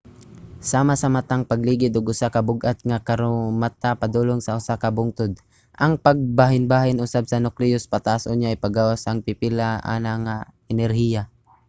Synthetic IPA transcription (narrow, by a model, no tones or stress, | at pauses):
saːmasɐmat̪aŋpɐɡliːɡɪd̪ʊɡʊsakɐbʊɡʔat̪̚ŋakɐɾʊmat̪apad̪uːloŋsɐʔʊsakɐbʊŋt̪ʊd̪̚ | ʔɐŋpɐɡ̚baɦɪnbaːɦɪnʔʊsabsɐnʊklɪjʊspat̪aʔasoɲaʔajpaɡawasaŋpɪpɪlaʔa̰ːnaŋa | ɛnɛɾhija